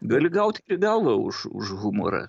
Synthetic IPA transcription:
ɡɐlʲɪɡɐʊt̪ʲiɾʲɪɡɐlˠʋɐʊ̰ʃʊ̰ʃɣʊmo̰ːɾɐ̰

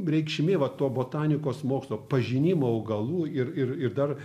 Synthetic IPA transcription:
rʲɛɪkʃʲmʲeːʋɐt̪oːboːt̪ɑːnʲɪkoːsmoːkslˠoːpɐʒʲɪnʲimoːɐʊɡɐlˠuːɪrɪrɪrd̪ɐr

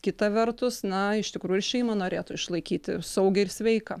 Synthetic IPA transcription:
kʲɪt̪ɐʋʲɛrt̪ʊsnɐɪʃʲt̪ʲɪkɾuːjʊʃʲɛɪmɐnoːɾʲeːt̪ʊɪʃlˠɐɪkʲiːt̪ʲɪ̰sɐʊɡʲɛɪɾsʲʋʲɛɪkɐ

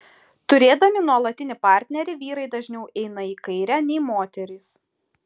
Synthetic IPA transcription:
t̪ʊɾʲeːd̪ɐmʲɪnuɔlˠɐt̪ʲɪnʲɪpɑˑɾʲt̪ʲnʲɛɾʲɪʋʲiːɾɐɪd̪ɐʒʲnʲɛʊʔɛɪnɐiːkɐɪɾʲæːnʲɛɪmoːt̪ʲɛɾʲɪs

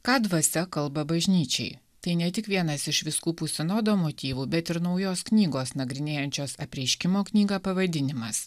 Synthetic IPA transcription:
kɑːd̪ʋɐsʲɛkɐlˠbɐbɐʒʲnʲiːt͡ʃʲɛ̰ɪ | t̪ɐɪnʲɛt̪ʲɪkʋʲiɛnɐsɪʃʋʲɪskuːpʊsʲɪnoːd̪oːmoːt̪ʲiːʋuːbʲɛt̪ɪɾnɒʊjoːsknʲiːɡoːsnɐɡɾʲɪnʲeːjɛnʲt͡ʃʲoːsɐpʲɾʲɛɪʃʲkʲɪmoːknʲiːɡɑːpɐʋɐd̪ʲɪnʲɪmɐs

